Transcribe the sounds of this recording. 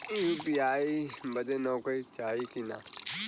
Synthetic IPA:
jupiaːibɐd͡ʒ̪enoːkəit͡ʃaːikina̰ː

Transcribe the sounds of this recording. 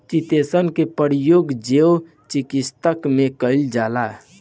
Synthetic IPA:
t͡ʃit̪esənkepəɾjoɡd͡ʒeo | t͡ʃikist̪əkmẽkəɪld͡ʒaːlaɦ

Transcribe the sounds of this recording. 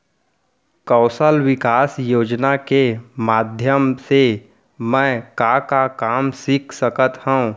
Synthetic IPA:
kɔːsəlwɪkaːsjoːd͡ʒnakemaːd̪ʱjəmse | mɛ̃kakakaːmsɪkʰsəkət̪hɛũ

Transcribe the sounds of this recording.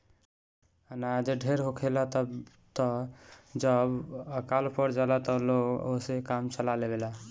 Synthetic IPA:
ənad͡ʒeɖʱeɾɦokʰelat̪ | t̪ɔd͡ʒəbəkalpəɽd͡ʒalat̪ɔloɡosekamt͡ʃəlalebela

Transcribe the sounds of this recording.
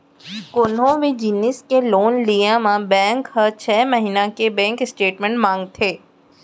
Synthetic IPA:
kʊnõʋid͡ʒiːnɪskeloːnlijãmãbɛ̃ːŋkɦət͡ʃʰɛːməɦiːnãkebɛ̃ːŋkɪsʈeːʈmə̃ɳʈmãːŋɡt̪ʰeː

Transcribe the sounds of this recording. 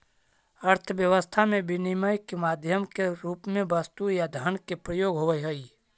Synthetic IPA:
ɐɾt̪ʰʋjəʋəst̪ʰamẽbɪniməjkemaːd̪ʱjəmkeɾuːpmẽbɐst̪ujad̪ʱənkepɾəjoːɡɦoʋəjɦoi

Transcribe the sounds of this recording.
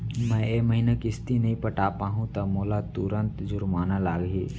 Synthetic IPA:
mɛ̃ːemɐɦinakɪst̪inɐɦĩpɐʈaːpaːɦũt̪ɐmoːlat̪ʊɾə̃nt̪d͡ʒʊɾmaːnalaːɡɦiː

